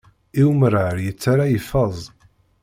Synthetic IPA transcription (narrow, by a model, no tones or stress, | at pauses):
iwməɾaɾjət͡sːaɾajəfɑzˤ